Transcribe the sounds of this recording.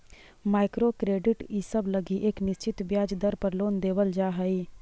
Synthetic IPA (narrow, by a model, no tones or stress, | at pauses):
maːɪkɾoːkɾeːɖɪʈisəbləɡiʔeknɪst͡ʃɪt̪bjaːd͡ʒd̪əɾpəɾloːnd̪eːʋəld͡ʒaːɦəiː